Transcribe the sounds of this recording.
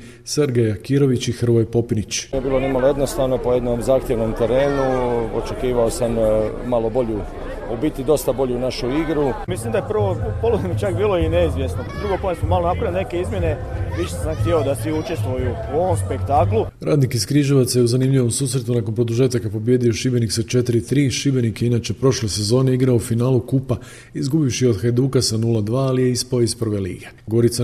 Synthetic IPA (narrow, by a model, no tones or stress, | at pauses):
seɾɡejakiɾo̞ʋit͡ɕixr̩ʋojpo̞pinit͡ɕiebilonimalo̞je̞d̪no̞st̪aːʋno̞po̞je̞d̪no̞mzaːxt̪jeʋno̞mt̪e̞ɾe̞ːnuo̞̰t͡ʃe̞kiːʋao̞samːalˠo̞bo̞ʎu | ubit̪id̪o̞st̪abo̞ʎuunaʃuiɡɾumislimd̪ajepr̩ʋopolod̪emit͡ʃakbiːlˠo̞ineizʋjesnod̪ɾuɡopomnesmomalˠonapɾaʋʲilnekeizmʲje̞ne̞ | ʋiʃesamxt̪iod̪asʋiut͡ʃest̪ʋojuuo̞ʋomspekt̪aklˠu | ɾʔaːd̪nikiskɾiːʒoʋat̪sajeuzanimʎʲiʋo̞msuːsɾe̞t̪unakonpɾo̞d̪uʒet̪akapobje̞ːd̪io̞ʃibe̞nikset͡ʃe̞t̪iɾit̪ɾiːʃibe̞nikeinaːt͡ʃe̞pɾo̞ʃle̞se̞zo̞ːne̞iɡɾaoufinaːlukupa | izɡubifʃijo̞d̪xed̪uːkasanulˠad̪ʋaːlije̞ispaoispr̩ʋe̞lḭːɡe̞ɡo̞ɾit̪sa